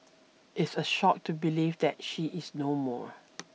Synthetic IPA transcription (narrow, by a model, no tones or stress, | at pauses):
ʔɪtsəʃɔk̚tubilivd̪ɛt̚ʃiʔɪsnomɔ̰ɹ